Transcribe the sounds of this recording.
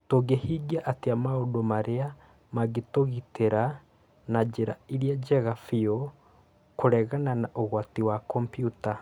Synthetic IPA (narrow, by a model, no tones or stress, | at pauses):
toɡehiɡiaʔateamaodomaɾea | maɣetoɣiteɾa | nad͡ʒeɾa̰iɾiad͡ʒɛɣafiɔ | koɾɛɣananaʔoɣwatiwakɔmpjuta